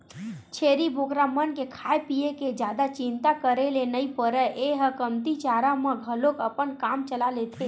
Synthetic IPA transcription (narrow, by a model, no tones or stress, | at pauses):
t͡ʃʰeɾibʱokɾamənkekʰaepijeked͡ʒjad̪at͡ʃɪnt̪akəɾelenəipəɾəʔeɦəkəmt̪it͡ʃaɾamə̃ɡʱəlokəpənkamt͡ʃəlalet̪ʰe